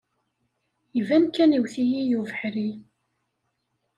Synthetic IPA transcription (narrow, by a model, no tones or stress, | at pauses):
ivæmkæniwθijijuvəħɾi